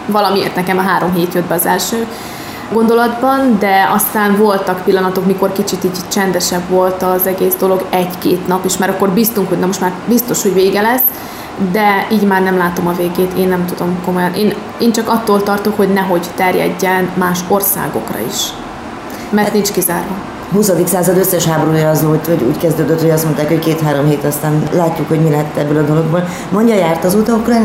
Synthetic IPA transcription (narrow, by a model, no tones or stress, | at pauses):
vɒlɒmiḛːrt̪nɛkɛmɒɦaːɾo̞mɦeːt̪jød̪̚bɛɒzɛlʃøː | ɡo̞nd̪o̞lɒd̪bɒnd̪ɛɒst̪aːɱvo̞lt̪ɒkpilːɒnɒt̪o̞kmiko̞rkit͡ʃit̪iːɟt͡ʃɛnd̪ɛʃɛbvo̞lt̪ɒzɛɡeːzd̪o̞loɡɛɟkeːt̪nɒpiːʃmaːɾɒkːo̞rbist̪uŋkho̞ɟnɛmo̞ʃt̪maːrbist̪o̞ʃho̞ɟveːɡɛlɛsː | d̪ɛiːɟmaːrnɛmlaːt̪o̞mɒveːɡeːt̪eːnːɛmt̪ud̪o̞mko̞mo̞jɒnʔeːn | eːnt͡ʃɒkɒt̪ːoːlt̪ɒrt̪o̞kho̞ɟnɛɦo̞ɟt̪ɛrjɛ̰ɟːɛnmaːʃo̞rsa̰ːɡo̞̰krɒ̰ḭʃ | mɛrnint͡ʃkizaːrvɒ | ɦusɒd̪iksaːzɒd̪øsːɛʃhaːboɾuːjɒːzoːvɒɟṵːckɛzd̪øːd̪øt̪hoɟɒst̪mo̞nt̪aːkhockeːt̪ɦaːɾo̞mɦeːt̪ɒst̪aːnlaːcːukho̞ɟmilɛɦɛt̪ːɛbːølɒd̪o̞lo̞ɡ̚boːl | mo̞ɲɟɒjaːrt̪ɒzut̪okrɒ